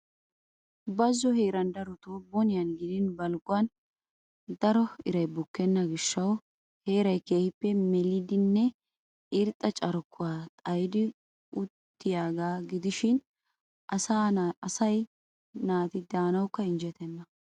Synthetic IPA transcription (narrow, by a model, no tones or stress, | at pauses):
bɐzːɔheːɾɐnd̪ɐɾɔt̪oːbɔnɪjɐnɡɪd̪ɪnbɐlɡʊwɐn | d̪ɐɾɔɪɾɐjbʊkːɛnːɐɡɪʃːɐw | he̞ːɾɐjkeːhɪpːɛmɛlɪd̪ɪnːɛ | ɪɾt̪ʼːɐt͡ʃʼɐɾkʰːʊwaːt̪ʼɐjd̪ɪ | ʊt̪ːɪjaːɡaːɡɪd̪ɪʃɪn | ʔɐsaːɐsɐj | naːt̪ɪd̪aːnɐwkːɐɪnd͡ʒɛt̪ɛnːɐ